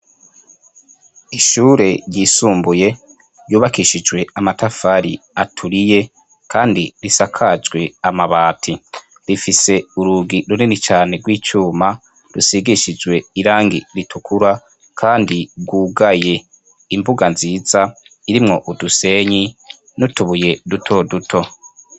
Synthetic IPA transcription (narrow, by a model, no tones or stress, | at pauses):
iʃuːɾe̞ɾjiːsuːmbuje̞ | juːβakiʃid͡ʒwe̞amatafaɾiatʰuɾije̞ | kʰaːndiɾisakʰad͡ʒɡwe̞amaβaːtʰi | ɾifise̞uɾuɡiɾuninit͡ʃaːne̞ɡwiːt͡ʃuːma | ɾusiɡiʃid͡ʒɡwe̞iɾaːŋɡiɾitʰukʰuɾa | kʰaːndiɡɡwuːɡaje̞ | imbuɡanziːzaiɾimŋo̞ʔuduse̞ɲi | nutuβuje̞dutʰo̞dutʰo̞